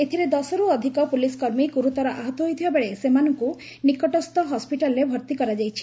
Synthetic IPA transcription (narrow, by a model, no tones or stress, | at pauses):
et̪ʰiɾed̪ɔsɔɾuɔd̪ʱikɔpuliskɔɾmiɡuɾut̪ɔɾɔʔaɦɔt̪ɔɦojt̪ʰibabeɭesemanɔŋku | nikɔʈɔst̪ɔɦɔspiʈalɔɾebʱɔɾt̪ikɔɾad͡ʒajt͡ʃʰi̥